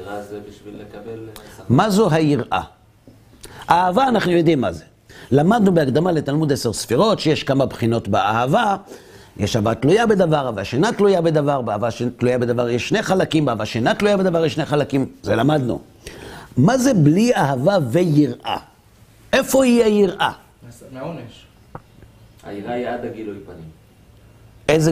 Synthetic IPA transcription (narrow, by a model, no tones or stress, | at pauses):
mazoɦajiʁʔa̰ | aavaːnaχnujo̞d̪imːa̰ze | lamad̪nubeakd̪amale̞t̪almud̪eseʁsfiʁo̞tʃejeʃkamabχino̞t̪beahava | jeʃahavat̪lujabe̞d̪avaʁhavaʃenatlujabed̪avaʁbeavaʃt̪lujabed̪avaʁjeʃːne̞jχalakimbeavaʃenatlujabed̪avaʁjeʃnejχalakimzelamad̪nṵ | maze̞bliaɦavavejiʁʔa̰ | ʔe̞fo̞ijejiʁʔa | a̰iʁaiad̪aɡiloipanim | eze